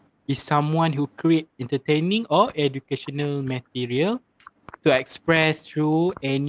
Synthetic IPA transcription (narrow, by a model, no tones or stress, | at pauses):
isːãmwãnhukɹiet̚ɛ̃ntətẽnĩŋɔɛdukeʃɔnəlmət̚iɹiəl | tuɛkspɹɛst̪ɹuɛn